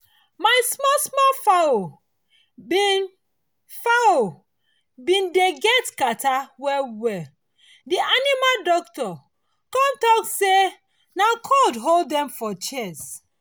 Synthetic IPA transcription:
maɪsmɔsmɔlfao | bin | fao | bĩndeɡɛtkatawɛwɛ | dianimaldɔktɔ | kɔ̃ntɔkse | naʊkʰɔdɦolddɛ̃mfɔt͡ʃɛs

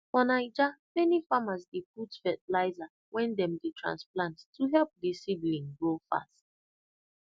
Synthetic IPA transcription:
ɔnaɪd͡ʒamɛnifamazdeputfɛtlaɪza | wɛ̃ndɛ̃mdetʰɹã̰nsplãnttʰuɦɛlp̚disiblĩnɡɹofa̰st̚

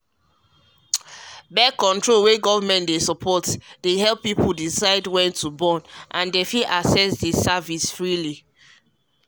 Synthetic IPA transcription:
bɛkɔ̃ntɹolweɡɔvmɛ̃ndesɔpʰɔtdeɦɛlpːipʰuldisaɪdwɛ̃ntʰubɔ̃nʔãndefiʔasɛsdesavisfɹili

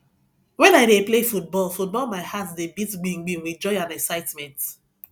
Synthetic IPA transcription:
wɛ̃naɪdeplefut̚bɔlˠfut̚bɔlˠmaɪhatdebitɡ͡bĩŋɡ͡bĩwid͡ʒɔ̃ɪãnɛksaɪtmɛ̃nt

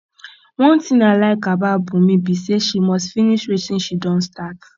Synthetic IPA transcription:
wɔ̃ntĩnalaɪkababũmĩbiseʃimɔstfiniʃɾisĩnʃidɔ̃nstat

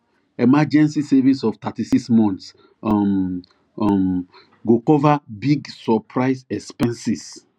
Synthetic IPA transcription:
ɛmad͡ʒɛ̃nsisɛvĩsɔvt̪atisiksmɔ̃nt̪s | m | m | ɡokɔvabiɡsɔpʰɹaɪsɛkspɛ̃nsis

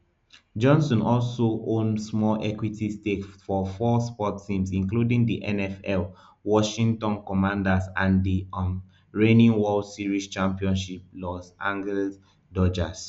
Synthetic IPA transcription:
d͡ʒɔ̃nsɔ̃nɔlsoʔõnsmɔlʔɛkwitistekfɔfɔspɔtʰĩmsĩŋkludĩŋdiʔɛ̃nɛfɛl | wɔʃĩŋtɔ̃nkɔmãndasãndiɔn | ɹẽnĩŋwɔlsiɹist͡ʃãmpiɔ̃nʃip̚lɔsãŋɡl | dɔd͡ʒas

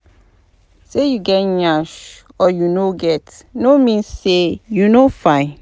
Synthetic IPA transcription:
sejuɡɛtɲaʃ | ɔjunoɡɛtnomĩnsːejunofãɪ̃

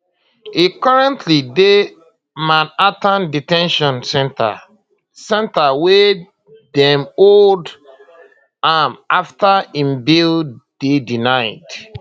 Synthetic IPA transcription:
ikɔɹɛ̃ntʰlide | mãnatãnditɛ̃nʃɔ̃nsɛ̃nta̰ | sɛ̃ntawe | dɛ̃mold | amaftaĩmbild̥edinaɪd

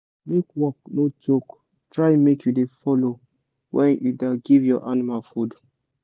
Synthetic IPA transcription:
mekwɔk̚notok | tɹaɪmekjudefɔlo | wʔɛ̃njudaɡivjɔʔanimalfud

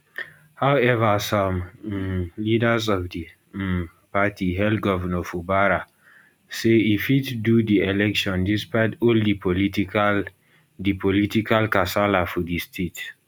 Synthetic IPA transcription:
hawɛvəsãm | lidəzɔvdi | patiɦɛlɡɔvənɔfubaɹa | seifitdudiɛlɛkʃɔ̃ndispaɪtɔldipɔlit | dipʰɔlitikʰalkasalafɔdistʰet

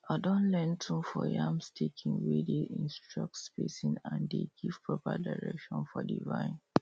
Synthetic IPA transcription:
adɔ̃nlɛntʰũmfɔjamstʰekʰĩŋwedeʔĩnstɹɔk̚tspesĩnãndeɡ̥iv̥pɹɔpa̰daɹɛkʃɔ̃nfɔdivãɪ̃n

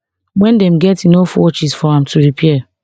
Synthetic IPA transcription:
wɛ̃ndɛ̃m̩ɡɛtinofɔ̰t͡ʃisfɔãmtʰuɹipʰɛ

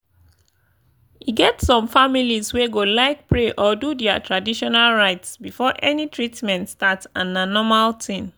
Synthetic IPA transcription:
iɡɛtsɔ̃mfamilizweɡolaɪk̚pɹeʔɔdudɛatʰɹadiʃɔnalɹaɪtsbifɔʔɛnitʰɹitmɛ̃ntstatsãnanɔmaltʰĩm

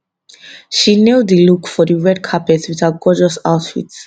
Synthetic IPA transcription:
ʃinɛwd̪ilukʰfɔdiwɛɾ̚kʰapʰɛtswit̪ʰat̚ɡ̥ɔd͡ʒɔsawt̪fḭt̪s

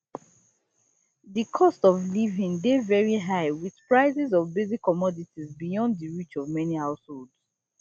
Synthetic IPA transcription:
ðɨkʰɔstɔvlivĩŋdevɛɹiɦaɪwið̥pɹaɪzizɔvbezikʰːɔmɔditizbijɔ̃ndðɨɹit͡ʃɔvmɛnihaʊsholˠds

